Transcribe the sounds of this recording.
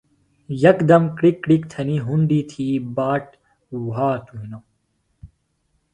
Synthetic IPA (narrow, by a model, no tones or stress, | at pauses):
jɐkd̪ɐmkɽikːɽikt̪ʰɐniːɦuɳɖiːt̪ʰiːbaːʈ | waːt̪uɦino